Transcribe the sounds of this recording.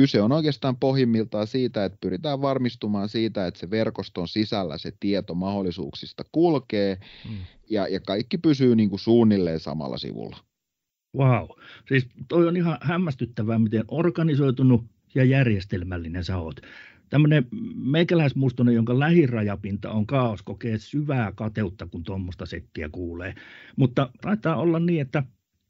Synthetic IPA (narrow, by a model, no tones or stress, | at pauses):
kyseonoikeɑst̪ɑːmpohjimːilt̪ɑːsiːt̪æet̪̚pyrit̪æːʋʋɑrmist̪umɑːnsiːt̪æet̪seʋerkost̪onsisælːæ̰set̪iet̪omɑholːˑisṵːksist̪ɑkulkeː | jɑjɑkɑikːipysyːniːŋkusuːnːilːḛːnsɑ̰mɑ̰lːɑ̰sḭʋṵlːɑ | wɑusiːst̪oˑionihɑhæmːæst̪yt̪ːæʋæːmit̪enʔorkɑnisoit̪unu | siɑjærjest̪elmælːinesɑo̰t̪t̪æmːønemeikælæˑismust̪onejjoŋkɑlæhirɑjɑpint̪ɑ̰oŋkɑːoskokeːsyʋæːkɑt̪eut̪ːɑkunt̪omːost̪ɑset̪ːiæ̰kuːlḛːmut̪ːɑt̪ɑit̪ːˑɑːolːɑnniːet̪ːæ